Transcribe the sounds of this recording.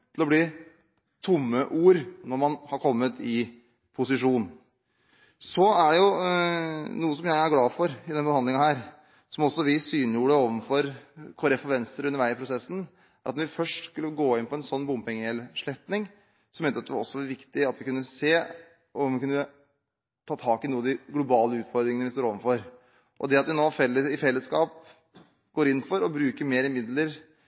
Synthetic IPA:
t̪ʰɪlɔbliː | t̪ʰʊmːəʔuːɾnɔɾmɑnhɑɾkʰɔmːət̪ʰɪ | pʰʊsɪʂuːnn̩ | sɔæɖɛjʊ | nuːəsɔmjæɪæɾɡlɑːfɔɾɪd̪ɛnbəhɑnd̪lɪŋɑhæːɾ | sɔmɔsːɔʋɪsyːnjuːɽəoːʋənfɔɾkʰɔɾɛfɔɾʋɛnst̪ɾəɾʉnːəʋæɪɪpʰɾʊsɛsːn̩ | ʔæɾʔɑt̪nɔʋɪfœʂʈskʉlːəɡoːɪnpʰɔɛnsɔnːbʊmpɪŋəɛlʂɭɛt̪nɪŋ | sɔmjøt̪əɑt̪ɛʋɑɾɔ̰sːɔʋɑɾʋɪkt̪ɪɑt̪ʋɪkʉnːəseː | ʔɔmʋɪkʉnːə | t̪ʰɑːt̪ʰɑːkɪnuːɑd̪ɪɡlʊbɑːləʉːt̪fɔɾd̪ɾɪŋənəʋɪst̪oːɾoːʋənfɔɾ | ʔɔ̰d̪ɛɑt̪ʋɪnoːfɛlːəɪfɛlːəskɑːp | ɡ̥oːɾɪnːfɔɾɔbɾʉːkəɾmeːɾəmɪd̪ləɾ

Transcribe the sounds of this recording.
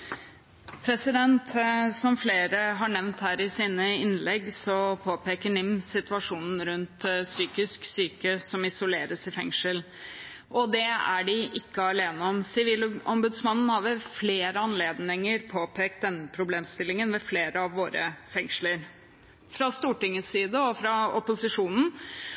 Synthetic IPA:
pʰɾɛsɪd̪ɛnt̪sɔmfleːɾəɦɑɳɛʋnt̪hæːɾɪsiːnəɪnlɛɡsɔpʰoːpeːkəɳɪmsɪt̪ʋɑʂuːnn̩ɾʉnt̪syːkɪsksyːkəsɔmɪsʊleːɾəsɪfɛŋʂəl | ʔɔd̪ɛæ̰ɖɪʔɪkːəɑleːnəɔmsɪʋiːlɔ̰mbʉd̪smɑnːn̩hɑʋəfleːɾəɑnleːd̪nɪŋəɾpʰoːpʰeːkt̪̚d̪ɛnːəpʰɾʊbleːmst̪ɪlːɪŋənmɛfleːɾəɑʋːoːɾə̰fɛŋʂləɾ | fɾɑst̪uːʈɪŋːəsiːd̪əɔfɾɑɔpʊsɪʂuːnn̩

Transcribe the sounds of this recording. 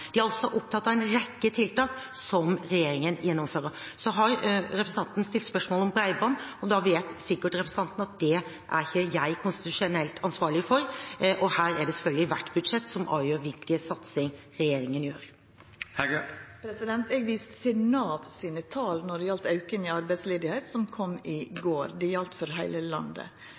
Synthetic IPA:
d̪̥ɪæɾɑlt̪sɔʔɔp̚t̪ʰɑt̪ːɑæɪnɾɛkːət̪ʰɪlt̪ɑːksɔmɾɛjeːɾɪŋənjʔɛnːɔmføːɾəɾsɔɦɑɾɾɛpɾəsəɑnt̪n̩st̪ɪlt̪spœʂmoːlɔmbɾæɪbɑnːɔd̪ɑʋeːt̪sɪkːəʈɾɛpɾəsəɑnt̪ən̩ɑt̪̚d̪ɛ | ʔæ̰ɾɪçəjæɪkʰʊnst̪ɪt̪ʉʂɛnɛlt̪ʰɑnsʋɑːɾɭɪfɔɾʔɔhæːɾæɖɛsɛfœlɡ̪lɪʋæʈːbʉd̪ʂɛt̪ːsɔmʔɑ̰ːʋjøːɾʋɪlkəsɑt̪sɪŋ | ɾɛjeːɾɪŋənjøːɾ | hæɡpʰɾɛsɪd̪ɛnt̪ɛɡʋiːst̪sɪnɑːʋsiːnət̪ʰɑːlnɔɖɛjɑlt̪ɑʉkənɪɑɾbæɪsleːd̪ɪheɪt̪sɔmkʰɔmːɪɡoːɾd̪ɛɑlt̪fɔɾɦæɪləlɑ̰nd̪ə̰

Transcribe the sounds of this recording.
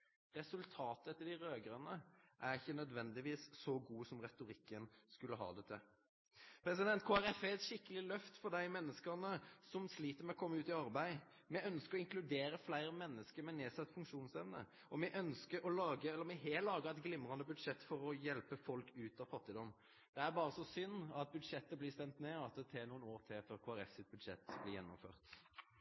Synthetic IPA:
ʁɛsʉlt̪ʰɑːt̪əət̪ɪd̪ɪɾøːɡəɾɑnəʔæɾɪçːənœd̪ʋɛnd̪ɪʋiːssɔɡuːsɔmʁɛt̪ʊɾɪkːənskʉlːəɦɑ̰ːd̪ɛt̪ʰɛ | pʰɾɛsɪd̪ɛnt̪kʰoːæɾɛfɛt̪ʃɪkːəlɪlœft̪fɔʁd̪æɪmɛnːəskənəsɔmsliːt̪əɾmɛɔkʰɔmːəʉːt̪ɪɑɾbæɪ | mɛœnskəɾɔɪŋklʉd̪eːɾəflæɪɾəmɛnːəskəɾmɛneːsɑt̪ːfʉŋkʂuːnsɛʋnə̰ | ʔɔmɛʔœnskəɾɔlɑːɡəɛlːəɾmɛɦeːlɑːɡəʁɛɪt̪ɡlɪmʁɑnd̪əbʉd̪ʂɛt̪ːfɔɾɔjɛlpəfɔlkʉːt̪ɑʋfɑt̪ːɪd̪ɔmː | d̪̥ɛæɾbɑːʁəsɔsʏnːɑt̪̚bʉd̪ʂɛt̪ːəbliːst̪ɛnt̪neːɑt̪̚d̪ɛt̪ʰeːnuːənoːɾt̪ʰɪlføːɾkʰoːæɾɛfsɪt̪̚bʉd̪ʂɛ̰t̪ːbliːjɛ̰nːʊ̰mfø̰ːʁt̪

